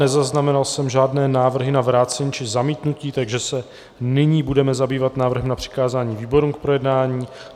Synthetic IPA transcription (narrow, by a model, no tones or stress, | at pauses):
nɛzaznamɛnalsɛmʒaːdnɛːnaːvr̩ɦɪnavɾaːt͡sɛɲːt͡ʃɪzamiːt̪nuciːt̪aɡʒɛsɛ | nɪɲiːbudɛmɛzabiːvat̪naːvr̩ɦɛmnapr̝̥ɪ̥kaːzaːɲiːviːbo̞ɾuːmk̚pɾo̞jɛdnaːɲiː